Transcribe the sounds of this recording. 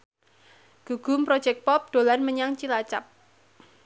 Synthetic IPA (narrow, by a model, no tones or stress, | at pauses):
ɡ̥uɡ̥ṳmpɾɔ̥d͡ʒɛk̚pɔp̚d̪̥o̤lanməɲaŋt͡ʃilat͡ʃap̚